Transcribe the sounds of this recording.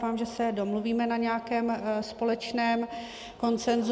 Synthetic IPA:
faːmʒɛsɛdo̞mluviːmɛnaɲɛakɛːmspo̞lɛt͡ʃnɛːm | ko̞nt͡sɛnz

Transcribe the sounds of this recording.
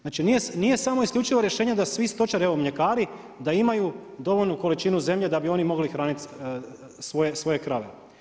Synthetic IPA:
znaːt͡ʃinijenije̞samo̞iskʎut͡ʃiʋoɾjeʃeːɲed̪asʋist̪o̞t͡ʃaɾeʋo̞mʎe̞kaːɾi | d̪aimajud̪o̞ʋo̞lʲnuko̞lit͡ʃinuze̞mʎe̞d̪abio̞nimo̞ɡlixɾaːnit̪ | sʋo̞je̞sʋo̞je̞kɾaʋḛ

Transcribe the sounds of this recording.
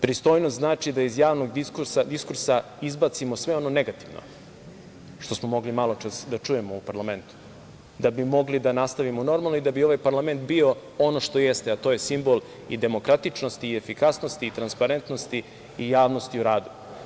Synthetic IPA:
pɾist̪o̞jnost̪naːt͡ʃid̪aizjaːʋno̞ɡd̪iskuɾsad̪iskuɾsa | izbat̪simo̞sʋe̞o̞no̞ne̞ɡat̪iʋno̰ | ʃt̪o̞smo̞mo̞ɡlimalˠo̞t͡ʃasd̪at͡ʂujemo̞upaɾlˠame̞nt̪u̥ | d̪abimo̞ɡlid̪anast̪aʋimono̞ɾmalnoid̪abio̞ʋajpaɾlame̞nt̪bio̞o̞no̞ʃt̪o̞jest̪eat̪o̞ːjesimbo̞lˠ | id̪e̞mo̞kɾat̪it͡ʃnost̪iːefikasno̞st̪iːt̪ɾanspaɾe̞nt̪no̞st̪iː | jaːʋno̞st̪iuɾaːd̪u

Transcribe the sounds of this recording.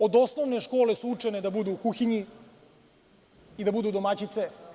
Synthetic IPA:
od̪osno̞ʋneʃko̞ːlesuut͡ʂɛned̪abud̪ukuxiɲi | id̪abud̪uːd̪omat͡ɕit̪se

